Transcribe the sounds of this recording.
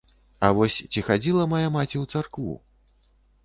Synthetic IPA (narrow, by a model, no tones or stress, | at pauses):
ɐvɔsʲt͡sʲixad͡zʲilˠɐmajamat͡sʲiwt̪sarkvṵ